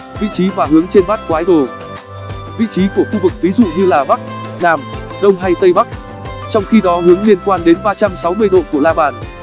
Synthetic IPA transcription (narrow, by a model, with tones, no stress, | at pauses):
vḭ˧˨t͡ɕi˨˦vaː˨˩ɦɨ˨˦əŋt͡ɕe˧nɓaː˦˥t̚kwaː˨˦jɗo˨˩ | vḭ˧˨t͡ɕi˨˦ku˧˩əxu˧vɨ˨˩k̚vi˨˦zṵ˧˨ɲɨ˧laː˨˩ɓa˦˥k̚naː˨˩m | ɗə˧wŋ͡mɦa˧jt̪ə˧jɓa˦˥k̚ | t͡ɕɔ˧wŋ͡mxi˧ɗɔ˨˦ɦɨ˨˦əŋli˧ənkwaː˧nɗe˨˦nɓaː˧t͡ɕa˧msa˨˦wmɨ˧əjɗo̰˧˨ku˧˩əlaː˧ɓaː˨˩n